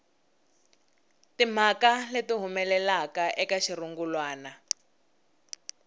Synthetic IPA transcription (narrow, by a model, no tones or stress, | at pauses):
tim̤akaletiɦumɛlɛlakaʔɛkaʃiruŋɡulwaːna